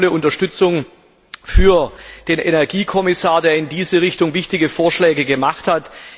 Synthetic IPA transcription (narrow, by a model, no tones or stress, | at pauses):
ləʔʊntɐʃtʏt͡sʊŋ | fyːɐd̥eːnʔenɛɐɡiːkʰɔmɪsaːɐdeːɐɪndiːzəʁɪçtʊŋvɪçtɪɡəfoːɐʃlɛːɡəɡəmaχthat